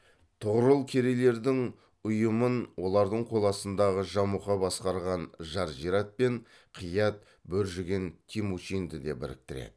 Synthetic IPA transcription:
t̪ʰʊʁɾəlˠkʲʰe̞ɾele̞ɾd̪ɪŋ | ʊjəmənwo̞lˠɑɾd̪əɴqʰo̞lˠɑsənd̪ɑʁəʒɑmuqɑbɑsqɑɾʁɑnʒɑɾʒiɾɑt̪̚pe̞ɴ | qʰiəjɑt̪̚ | bɵɾʒɪɡʲe̞nt̪ʲʰimuʃind̪əd̪e̞bɪɾɪ̰k̚t̪ɪɾḛd̪ɪ

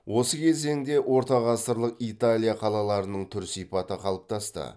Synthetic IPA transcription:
wʔo̞səkʲʰe̞ze̞ŋd̪e̞wo̞ɾt̪ɑʁɑsəɾlˠəqit̪alʲijaqʰɑlˠɑlˠɑɾənəɴt̪ʰʏɾsijpɑt̪əqʰɑlˠəp̚t̪ʰɑst̪ə̰

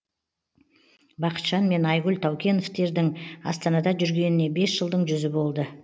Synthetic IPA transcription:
bɑqə̥t̪ʃɑnme̞nɑjʁʊlt̪ʰɑwkʲe̞noft̪e̞ɾd̪ɪŋɑ̰st̪ɑnɑd̪ɑʒʏɾɡʲe̞nɪne̞be̞sʒəlˠd̪əɴʒʏzɪbo̞lˠd̪ə

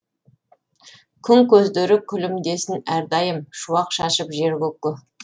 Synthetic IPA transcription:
kʲʰʏŋkʲʰɵzd̪eɾɪkʲʰʏlɪmd̪e̞sɪnæɾd̪ɑjəmʃuɑqʃɑʃəpʒe̞ɾkʲɵkːɪ

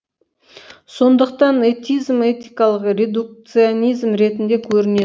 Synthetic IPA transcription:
so̞nd̪əqt̪ɑnet̪ijzme̞t̪ijkɑlˠəqɾʲe̞d̪uk̚t̪sɨonijzmɾe̞t̪ɪnd̪e̞kʲʰɵɾɪne

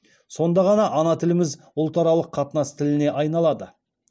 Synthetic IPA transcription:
so̞nd̪ɑʁɑnɑʔɑnɑt̪ʰɪlɪmɪz | ʊlˠt̪ɑɾɑlˠəqʰːɑt̪ənɑst̪ʰɪlɪne̞ʔɑjnɑlˠɑd̪ə

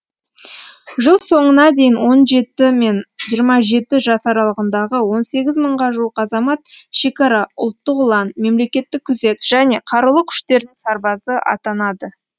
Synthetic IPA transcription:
ʒəlˠso̞ɴənɑd̪ejɪnwo̞nʒe̞t̪ɪme̞nʒijəɾmɑʒe̞t̪ɪʒɑsɑɾɑlˠəʁənd̪ɑʁəwo̞nse̞ɡʲɪzməɴʁɑʒuəqɑzɑmɑt̪ʃe̞kɑɾɑʊ̰lˠt̪ːəqʊlˠɑnme̞mle̞kʲe̞t̪ːɪkʲʰːʏze̞t̪ʒ̥æne̞qʰɑɾəlˠəkʲʰʏ̥ʃt̪e̞ɾɪnɪŋsɑɾbɑsəʔɑ̰t̪ɑnɑd̪ə

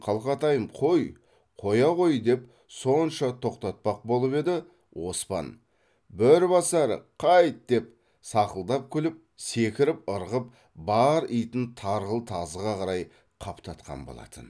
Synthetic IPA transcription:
qʰɑlˠqɑt̪ɑjəmqʰo̞j | qʰo̞jɑʁo̞jd̪e̞p | so̞nʃɑt̪ʰo̞qt̪ɑt̪̚pɑq̚bo̞lˠəpe̞d̪ɪ | wo̞̰spɑ̰n | bɪɾbɑsæɾə̰qʰɑjt̪̚d̪̥e̞p̚ | sɑqəlˠd̪ɑp̚kʲʰʏlɪp̚ | se̞kʲɪɾɪp̚əɾʁəp̚ | bɑɾijt̪ɪnt̪ʰɑɾʁəlˠt̪ʰɑzəʁɑʁɑɾɑj | qʰɑpt̪ɑt̪qɑ̰nbo̞̰lˠɑ̰t̪ʰən

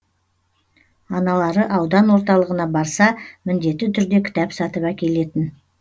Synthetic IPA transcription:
ɑnɑlˠɑɾəʔɑwd̪ɑnwo̞ɾt̪ɑlˠəʁənɑbɑɾsɑmɪnd̪e̞t̪ːɪt̪ʰʏɾd̪e̞kʲʰɪ̥t̪ɑpsɑt̪əpækʲe̞le̞t̪ɪn

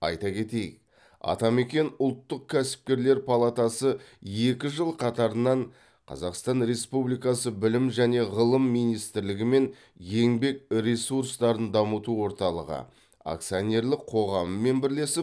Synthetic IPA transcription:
ɑ̰jt̪ɑkʲʰe̞t̪e̞jɪ̰k̚ | ɑ̰t̪ɑme̞kʲe̞nʊlˠt̪ːəq̚kʲʰæsɪ̥p̚kʲe̞ɾle̞ɾpʰalˠat̪ɑsəje̞kʲɪʒəlˠqʰɑt̪ɑɾənɑɴ | qʰɑ̰zɑqst̪ɑnɾe̞spublijkɑsəbɪlɪmʒæne̞ʁəlˠəmːijnijst̪ɪɾlɪɡʲɪme̞n | ʒe̞ŋbe̞k̚ɾʲesuɾst̪ɑɾənd̪ɑmət̪uwo̞ɾt̪ɑlˠə̰ʁə̰ | a̰k̚t̪sijonʲe̞rlɪkqʰo̞ʁɑməːe̞nbɪɾle̞sɪp

